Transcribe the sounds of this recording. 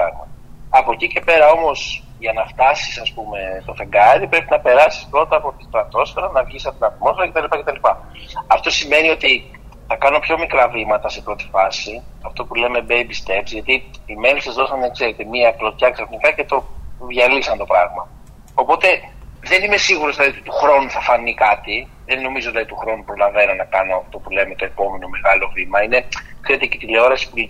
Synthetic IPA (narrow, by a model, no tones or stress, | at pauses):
ɐɣmɐ | ɐpo̞cice̞pe̞ɾɐo̞mo̞s | ʝɐnɐft̪ɐsi̥sɐspume̞t̪o̞fe̞ŋɡɐðipɾe̞pinɐpe̞ɾɐsi̥spɾo̞t̪ɐːpo̞t̪i̥st̪ɾɐt̪o̞sfeɾɐnɐfçisɐt̪inɐt̪mo̞sfe̞ɾɐcet̪ɐlipɐcet̪ɐlipɐ | ɐft̪o̞sime̞nio̞t̪i | θɐkɐnumpço̞mikɾɐvɾimɐt̪ɐse̞pɾo̞t̪i̥fɐsiɐft̪o̞pule̞me̞bejbist̪e̞psiʝɐt̪iime̞lisɐzðo̞sɐnðɐkseɾet̪e̞miɐpɾot̪çɐksɐfnikɐce̞t̪o̞vʝɐlisɐnt̪o̞pɾɐɣmɐ | opo̞t̪e̞ðe̞nime̞siɣuɾozðilɐðiot̪it̪uxɾo̞nuθɐfɐnikɐt̪iðe̞nːo̞mizoðilɐðit̪uxɾo̞nupɾo̞lɐve̞nonɐkɐno̞ɐft̪o̞pule̞me̞t̪oe̞po̞me̞no̞me̞ɣɐlo̞vimɐine̞kiet̪ecet̪ileo̞ɾɐsi̥pu